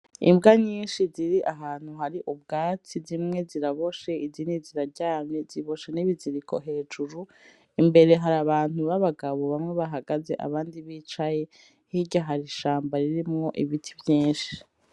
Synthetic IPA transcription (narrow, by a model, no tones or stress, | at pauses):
ḭmbɡaɲiːnʃiziɾiʔaɦaːn̥huɦaɾiʔubɡaːt͡sizimŋe̞ziɾaβo̞ʃe̞iziniziɾaɟaːmeziβo̞ʃeniβiziɾikʰo̰ɦe̞ːd͡ʒuɾu | imbe̞ɾe̞ɦaɾaβaːnuβaβaɡaβo̞βamŋe̞βaɦaɡaze̞ʔa̰βaːndiβiːt͡ʃaje̞ | hiɟaɦaɾiʃaːmbaɾiɾimŋo̞ʔiβitʰivjiːnʃi̥